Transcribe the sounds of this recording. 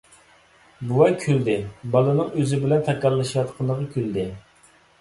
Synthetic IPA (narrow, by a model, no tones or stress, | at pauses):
buwɛkʲʰøld̪ɪbɑlˠɨnɨŋøzɪbɪlɛnt̪ʰɛkʲɑlˠːɨʃjɑt̪qʰɑnˠəʁəkʲʰøld̪ɪ